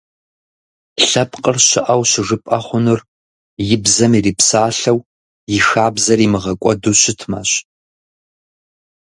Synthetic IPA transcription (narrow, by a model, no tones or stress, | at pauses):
ɬɐpqʼərɕɪʔɐwɕɪʐɨpʼɐχʷʊnʊr | jɪbzɐmiːriːpsaːɬɐw | jɪxaːbzɐrimɨʁɐkʷʼɔduɕɪtʰma̰ːɕ